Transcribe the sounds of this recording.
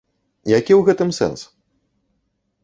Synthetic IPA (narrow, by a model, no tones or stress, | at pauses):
jakʲiwɣɛt̪ɨmsɛ̰ns